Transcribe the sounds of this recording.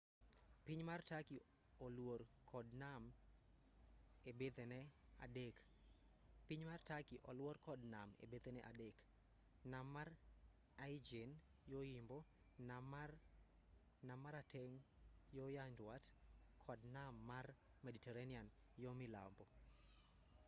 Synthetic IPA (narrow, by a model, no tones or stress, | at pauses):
piɲmartaki | ɔlworkʰɔdnam | ebed̪enɛa̰dek | piɲmartakiʔɔlwɔrkɔdnamḛbed̪enɛʔa̰dek | namːar | aid͡ʒen | joimbɔ | namar | namaɾatɛŋjɔjandwatkʰɔdnamːar | mɛditɛɾanian | jomɪla̰mbɔ